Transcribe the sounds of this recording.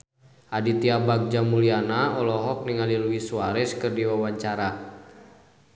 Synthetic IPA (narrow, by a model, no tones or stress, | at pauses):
ʔadit̪iabak̚d͡ʒamulianaɔlɔɦɔk̚niŋaliluwisuaɾɛskɨrdiwawaɲt͡ʃaɾa